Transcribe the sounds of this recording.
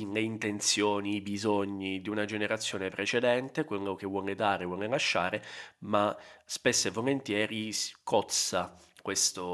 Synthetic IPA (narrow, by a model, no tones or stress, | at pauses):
nleint̪ent̪sjoːniːbizoɲːid̪iunad͡ʒeneɾat̪sːjɔːnepɾet͡ʃed̪ɛnt̪ekwelːok̟evːwɔːned̪aːɾevwɔːnelaʃːaːɾemaspesːevːolent̪jɛːɾiskɔt̪sa | kwest̪o